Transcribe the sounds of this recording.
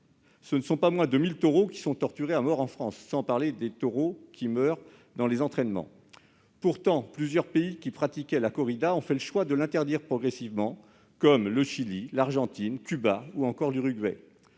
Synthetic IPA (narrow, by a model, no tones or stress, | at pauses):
sənəsɔ̃pamwɛ̃d̪əmilt̪ɔʁokʲi̥sɔ̃t̪ɔʁt̪yʁeamɔʁɑ̃fχɑ̃sːɑ̃paʁled̪et̪ɔʁokʲimœʁ | d̪ɑ̃lezɑ̃t̪χɛnmɑ̰̃ | puʁt̪ɑ̃plyzjœʁpeikʲipχat̪ikʲɛlakɔʁid̪aɔ̃fɛləʃwad̪əlɛ̃t̪ɛʁd̪iʁpχɔɡʁɛsivmɑ̃ | kɔmləʃililaʁʒɑ̃t̪inkʲybauɑ̃kɔʁlyʁyɡwɛ̰